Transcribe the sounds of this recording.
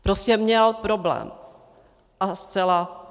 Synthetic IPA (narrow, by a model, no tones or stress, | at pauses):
pɾoscɛmɲɛlpɾoblɛ̰ːm | ʔast͡sɛla